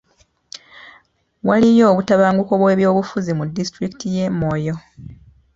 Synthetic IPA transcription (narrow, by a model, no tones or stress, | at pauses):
walijo̞ːβutaβaːŋɡuko̞βwe̞ːβjo̞ːβufuzimudːistɾiki̥tʰije̞mːo̞ːjo̞